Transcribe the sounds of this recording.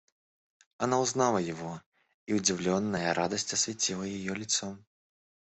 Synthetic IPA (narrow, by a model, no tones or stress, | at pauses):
anawznalˠɐjavɔ | iwd͡zʲiwlʲɔnːɐjɐɾad̪ɐsʲt͡sʲɐsʲvʲat͡sʲilˠɐjajɔlʲit̪sɔm